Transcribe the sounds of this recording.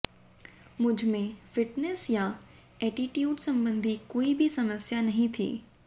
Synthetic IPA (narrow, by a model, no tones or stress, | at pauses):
mʊ̃d͡ʑʱmẽfɪʈnesja | ɛːʈiʈjuːɖsɐ̃mbə̃nd̪ʱikoːibʱisɐməsjanɐɦĩt̪ʰḭː